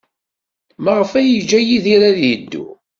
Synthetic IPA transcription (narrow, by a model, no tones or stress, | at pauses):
məʁəfæjəd͡ʒːæjiðiɾaðjəd̪ːṵ